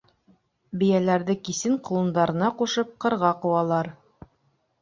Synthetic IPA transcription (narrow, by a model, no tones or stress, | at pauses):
bɘ̆jælæɾðɘkisɘɴqŏlˠɤ̆nd̪ɑɾɤ̆nɑquʃɤp̚qɤ̆ɾʁɑqŭwɑlˠɑɾ